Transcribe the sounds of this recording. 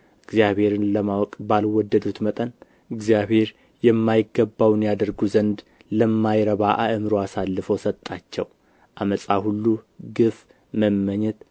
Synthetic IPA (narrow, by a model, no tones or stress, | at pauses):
ɨɡzjaβhe̞ɾɨnləmawɔkʼbalwɔd̪ːəd̪ut̪mət̪ʼən | ɨɡzijaβhe̞ɾ | jɛmːajɪɡːəbːawnjad̪əɾɡuzənd̪ | ləmːajɾəβaʔaʔɨmɨɾoasalːɨfəwsət̪ʼːat͡ʃːɛ̰w | ʔaməsʼahulːuɡɨf | məmːəɲːɛt̪